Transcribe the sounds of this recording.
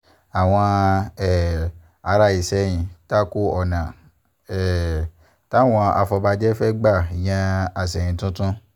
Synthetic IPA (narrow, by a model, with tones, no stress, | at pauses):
a˨w̃ɔ̃˧ɛ˦˨ | a˧ɾa˧i˨sɛ˦j̃ĩ˧ta˦ko˦ɔ˨nã˨ | ɛ˦˨ | ta˦w̃ɔ̃˧a˧fɔ˧ba˧d͡ʒɛ˦fɛ˦ɡ͡ba˦˨j̃ɛ̃˧a˨sɛ˨jĩ˨˧tũ˦tũ˦